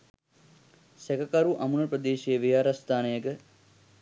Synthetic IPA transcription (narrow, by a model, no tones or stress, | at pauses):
sekɐkɐɾuʔɐmunɐprəd̪eːʃijəʋijaːɾɐst̪aːnejəɡə